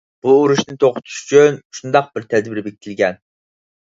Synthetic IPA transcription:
b̥uːɾuʃnɪt̪ʰoqʊ̥t̪ʰu̥ʃy̥t͡ʃʰynʃund̪ɑq̚bɪɾt̪ʰɛd̪biɾɪbekʲit̪ʰɪlɡʲɛn

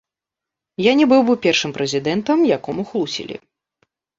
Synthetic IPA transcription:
janʲɛbɨwbɨpʲɛrʂɨmpɾɛzʲid̪ɛnt̪ɐmjakɔmuxlˠusʲḭlʲḭ

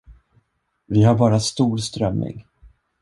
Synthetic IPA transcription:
vɪhaɾbɑːɾast̪uːɾst̪ɾœmːɪ̰ŋ

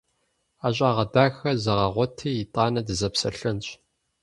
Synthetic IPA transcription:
aːɕʼaːʁɐdaːxɐzɐʁɐʁʷɔtʰiːjɪtʼɑːnɐdɨzɐpsɐ̰ɬɨnt͡ʃʼ

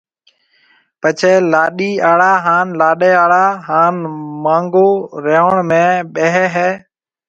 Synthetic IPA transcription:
pət͡ʃʰeːlaːɗiːaːɽaːɦaːnlaːɗeːaːɽaːɦaːnmãːŋɡoːɾeːəɳmẽːɓeɦɛːɦɛː

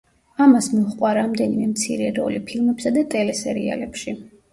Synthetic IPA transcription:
amasmɔχqʼwaɾamd̪ɛnimɛmt̪sʰḭɾɛɾɔ̰lipʰilmɛpsad̪at̪ʼɛlɛsɛɾḭa̰lɛpʃi

